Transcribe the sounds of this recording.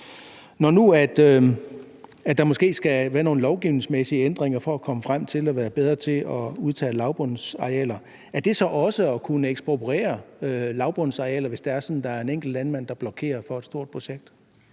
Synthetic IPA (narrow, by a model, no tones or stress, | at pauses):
nɒnuæd̥ø | æd̥ɑ̈mɔ̽sɡ̥e̝̰ːsɡ̥æʋæːɐno̝ːn̩lɒʊɡ̥iʊne̝ŋsmesiəend̥ʁeŋ̰ɐfɒ̽ækʰɒ̽məfʁam̰t͡sʰe̝læʋæːɐb̥eð̞ˠʁɐt͡sʰe̝ɒuð̞ˠt͡sʰɛ̰ːlɑ̈ʊb̥ɔnsɑ̈ɛ̰ːlɐ | æɐd̥e̝sɒ̽ʔɒ̽səɒkʰunəeɡ̥sb̥opʰʁḛːɐølɑ̈ʊb̥ɔnsɑ̈iɛ̰ːlɐʋe̝sd̥eæɐsɒ̽nn̩d̥ɑ̈æɐe̝neŋ̰ɡ̥l̩dlænmæn̰d̥ɑ̈b̥lɒ̽kʰe̝̰ːɐfɒ̽ed̥sd̥o̝ɐ̰d̥̚pʰo̝ɕeɡ̥̚d̥